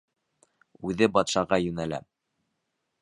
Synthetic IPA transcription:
ʉðɘbɑt̪ʃɑʁɑjʉnælæ̰

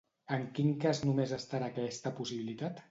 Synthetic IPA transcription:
əŋkiŋkaznumezəst̪aɾakɛst̪əpusiβilit̪at̪

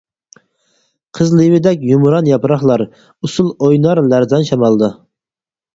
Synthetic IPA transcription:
qʰəzlˠɨwɪd̪ɛkʲjumɾɑnjɑpɾɑχlˠɑɾ | usulˠojnɑɾlæɾd̪ɑnʃɑmɑlˠd̪ɨ

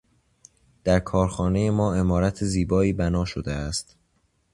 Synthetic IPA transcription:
d̪̥æɾkʰɒːɾxɒːne̞je̞mɒːe̞mɒːɾæt̪ʰeziːbɒːiːbænɒːʃod̪eæst̪

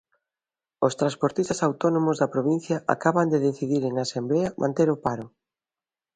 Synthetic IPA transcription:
ost̪ɾãnspoɾt̪ist̪asawt̪ɔnomʊzðɐpɾoβin̟θjɐʔa̰kaβɐnd̪eðeθiðiɾeŋasembleɐmʔãnt̪eɾʊpaɾʊ

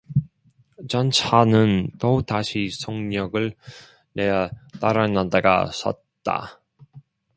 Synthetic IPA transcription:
t͡ɕʌnt͡ɕʰanɯntotaɕʰisʰoŋɲʌɡɯɭ | nejataɾanadaɡa̰sʰʌ̰t̚ | t͈a̰

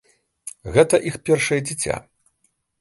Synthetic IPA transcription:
ɣɛt̪ɐʔixpʲɛrʂɐjɛd͡zʲit͡sʲa̰

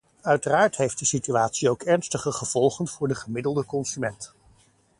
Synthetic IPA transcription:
œɥtəraːɹtɦejft̚dəsityaːtsiowkɛɹnstəχəχəv̥ɔlˠχənv̥ʊːɹdəχəmɪdəlˠdəkɔnsymɛnt

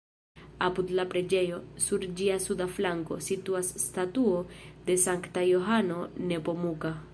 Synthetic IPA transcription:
apudlapɾe̞d͡ʒe̞jo̞suɾd͡ʒiasudaflaŋko̞̰situasːtatuode̞saŋktajo̞ɦano̞ne̞po̞muka

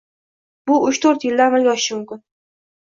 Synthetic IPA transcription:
b̥ʊʊʃt̪ʰoɾt̪jɪlːaɾmɪɾɡʲɒʃɪ̥ʃɪmʊmkʲɪn

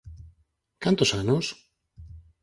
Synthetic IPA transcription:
kant̪osaɲos

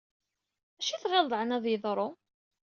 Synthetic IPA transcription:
æʃiθʁɑld̪ˤʕnæðˤjəðˤɾˤo

